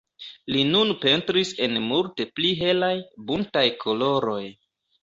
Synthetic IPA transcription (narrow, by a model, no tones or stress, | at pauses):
linunpe̞ntɾise̞nmulte̞pliɦe̞lajbuntajkʰo̞lo̞ɾo̞j